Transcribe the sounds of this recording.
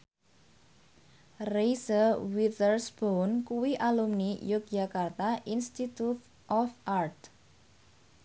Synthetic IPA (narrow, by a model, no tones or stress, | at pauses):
rejsəwit̪ərsb̥ownkuwiʔalumnijʊk̚dd͡ʒakart̪aʔinst̪it̪ut̪ | ʔɔfʔart̪